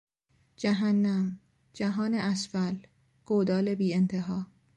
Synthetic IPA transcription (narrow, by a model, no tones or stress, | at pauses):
d͡ʒæɦænːæm | d͡ʒæɦɒːneʔæsfæl | ɡ̥od̪ɒːle̞biːent̪ʰe̞ɦɒː